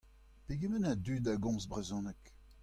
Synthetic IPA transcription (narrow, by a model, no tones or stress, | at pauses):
peɡemənadyːdaɡɔ̃sbʁezɔ̃nɛk